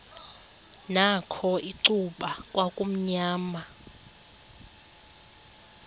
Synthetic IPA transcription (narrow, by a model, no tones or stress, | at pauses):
nakʰɔiǀuɓakʼwakʼum̩ɲaːma